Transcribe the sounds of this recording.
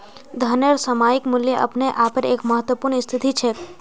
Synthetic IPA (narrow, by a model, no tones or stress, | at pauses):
d̪ʱɐneɾsəmaːjɪkmʊljəʔɐ̰pneʔaːpəɾeːkmɐɦət̪wəpuːɾnɪst̪ʰɪt̪it͡ʃʰɛ